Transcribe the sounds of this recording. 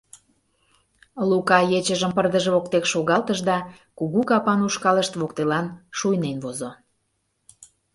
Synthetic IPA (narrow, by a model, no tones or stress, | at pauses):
lukɑjet͡ɕəʒəmpərd̪əʒəβokt̪ekʃoɣɑlt̪əʒd̪ɑ | kuɣukɑpɑnuʃkɑləʃt̪βokt̪elɑnʃujnenβozo